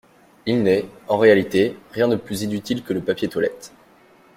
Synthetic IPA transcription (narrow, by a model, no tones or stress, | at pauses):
ilnɛɑ̃ʁealit̪eʁjɛ̃d̪əplyzinyt̪ilkələpapjet̪walɛt̪